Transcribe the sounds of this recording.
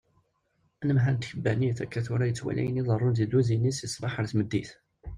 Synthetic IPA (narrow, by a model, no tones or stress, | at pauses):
ænəmɦænt̪çəbːæniθækːæθuɾajət͡sːwæ̰lʔæ̰jəniðˤərˤːʊnzid̪uzinisisbɑħəɾθməd̪ːiθ